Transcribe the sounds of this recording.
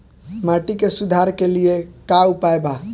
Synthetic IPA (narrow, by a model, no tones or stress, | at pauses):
maʈikesud̪ʱaɾkeliekaupaeba